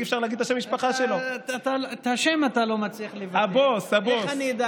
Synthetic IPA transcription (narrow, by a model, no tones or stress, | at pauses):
efʃaʁlaɡid̪̚t̪aʃemːiʃpaχaʃeloat̪alt̪haʃe̞mat̪alo̞mat͡sliaχlevaaboshabosanid̪a